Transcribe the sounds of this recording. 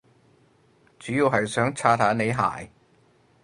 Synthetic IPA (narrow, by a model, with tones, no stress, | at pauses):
t͡syː˨˥jiː˨˧wɦɐ˨jsœː˨˥ŋt͡sʰaː˧t̪ʰaː˨˥ne˨˧jɦa̰ː˨˩j